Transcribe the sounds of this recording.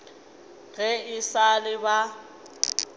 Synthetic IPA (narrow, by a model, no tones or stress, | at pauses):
ɣɛɪsalɪba